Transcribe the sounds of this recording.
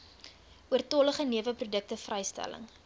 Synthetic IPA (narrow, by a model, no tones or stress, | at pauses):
uərtɔləχəniəvəprudək̚təfrɛjstæ̰lə̰ŋ